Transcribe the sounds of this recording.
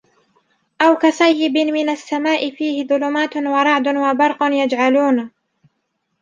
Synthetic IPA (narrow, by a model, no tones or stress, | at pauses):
ʔawkasˤajːɪbɪmɪnasːamaːʔɪfiːhɪðʊlʊmaːt̪wɑɾˤɑʕd̪ʊwabɑɾˤqʊnjad͡ʒʕaluːn